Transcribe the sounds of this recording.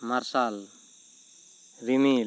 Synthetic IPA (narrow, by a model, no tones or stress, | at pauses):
maɾsal | ɾimil